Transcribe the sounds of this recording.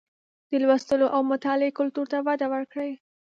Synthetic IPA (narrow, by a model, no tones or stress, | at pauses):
d̪̥əlwast̪əloʔawmʊt̪ɑleekʊlt̪uɾt̪awad̪awəɾkɽəj